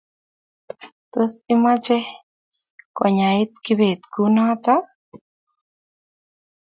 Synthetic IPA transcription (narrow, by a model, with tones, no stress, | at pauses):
t̪o˦si˦ma˦t͡ʃɛ˦ | kɔ˨ɲa˨i˦t̪̚ki˦be˨t̪ku˦nɔ˦t̪ɔ˦